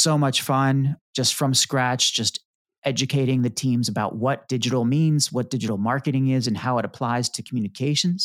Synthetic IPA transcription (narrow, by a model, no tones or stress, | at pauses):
soʊmʌt͡ʃfʌ̃n̥d͡ʒ̥ʌstfɹʌ̃mskɹæt͡ʃd̥ʒ̥ʌst | ʔɛd͡ʒɨkʰeɪɾɪ̃ŋðɨtʰĩmzɨbaʊt̚wʌt̚d̥ɪd͡ʒɨɾl̩ˠmĩnz̥wʌt̚d̥ɪd͡ʒɨɾl̩ˠmɑɹkɨɾɪ̃ŋɪzɨ̃nhaʊəɾəpʰl̥aɪz̥tʰɨkʰm̩jʉnɨkʰeɪʃɨ̃nz̥